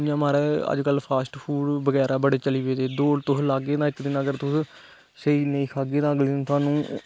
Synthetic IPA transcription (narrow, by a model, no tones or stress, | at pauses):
jãːmaːɾɛːə̰d͡ʒkəlpʰaːsʈpʰuːɽbəɡɛːɾaːbəɽeːt͡ʃəliːʋeːd̪eːd̪oːɽt̪ʊslaːɡeːt̪ãːɪkd̪ɪnəɡəɾt̪ʊs | seiːnəĩːkʰaːɡeːt̪ãːəɡlent̪ʰaːnũː